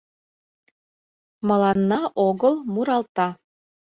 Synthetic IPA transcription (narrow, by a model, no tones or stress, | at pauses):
mɤ̆lˠɑnːɑʔoɣɤ̆lˠmuɾɑlˠt̪ɑ